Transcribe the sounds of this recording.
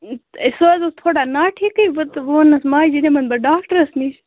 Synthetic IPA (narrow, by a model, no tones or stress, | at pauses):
soːzot̪ʰoːɽaːnaːʈʰiːkəʋɐt̪ʋoːnɐsmaːid͡ʒinemɐnbɐɖaːkʈəɾɐsniːt͡ʃʰ